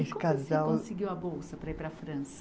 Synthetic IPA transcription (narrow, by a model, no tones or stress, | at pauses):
skazawõsɪɡiwɐbowsɐpɾɐipɾɐfɾɐ̃sɐ